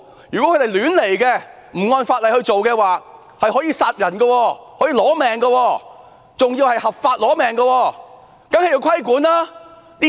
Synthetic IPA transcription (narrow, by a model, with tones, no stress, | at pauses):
jyː˨˩kɔ˨˦˥kɵ˧d̪e˨jlyː˨˥nle˨˩jkɛ˧ | m̩˨˩ŋɔː˧nfaː˧t̚lɐ˨˩jhɵ˧jt͡so˨wkɛː˧waː˨˩ | hɐ˨jɦɔː˨˥jiː˧saː˧t̚jɐ˨˩nɡɐ˧wɔː˧hɔː˨˥jiː˧lɔː˨˥mɛː˨ŋɡɐ˧wɔː˧ | t͡sʊ˨ŋjiː˧whɐ˨jhɐ˨p̚faː˧t̚lɔː˨˥mɛː˨˩ŋɡɐ˧wɔː˧ | kɐ˨˥ŋhɐ˨ji˧wkʷʰɐ˥jkuː˨˥nlaː˥ | t̪i˥